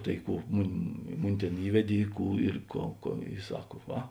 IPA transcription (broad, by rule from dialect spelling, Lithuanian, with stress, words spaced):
tɐɪ ˈkuː ˈmʊnʲ ˈmʊnʲɪ ˈtʲeːn ˈiːʋʲɛdʲeː ɪ ˈkuː ɪr ˈkoːʊ koː ɪ ˈsɐk ˈʋɐ